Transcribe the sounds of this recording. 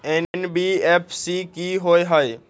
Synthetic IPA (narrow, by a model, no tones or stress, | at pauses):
eːnnbiːeːpʰsikiɦoːeɦəe